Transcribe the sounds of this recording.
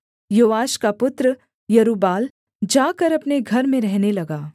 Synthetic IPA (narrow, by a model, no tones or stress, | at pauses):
joːʋaːʃkapʊt̪ɾə | jɐɾuːbaːl | d͡ʒaːkɐɾɐpneɡʱɐɾmẽɾɛɦnelɐɡaː